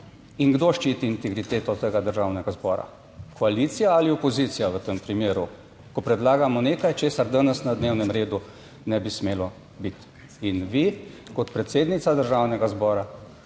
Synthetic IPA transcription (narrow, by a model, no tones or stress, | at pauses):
iŋɡd̪oʃt͡ʃiːt̪iːnt̪ɛɡɾit̪eːt̪ɔt̪əɡad̪əɾʒawnɛɡazbɔːɾa̰ | kʰɔaliːt̪sijaaliɔpɔziːt̪sijaʋət̪əmpɾimeːɾu | kɔpɾɛd̪laːɡamɔneːkajt͡ʃeːsaɾd̪anəsnad̪neːwnɛmɾeːd̪u | nɛbismeːlɔ | bit̪ | inʋikɔt̪pɾɛt̪seːd̪nit̪sad̪əɾʒawnɛɡazbɔːɾa